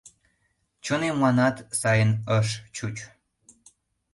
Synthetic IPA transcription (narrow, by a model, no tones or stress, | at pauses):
t͡ɕonemlɑnɑt̪sɑjənəʃt͡ɕut͡ɕ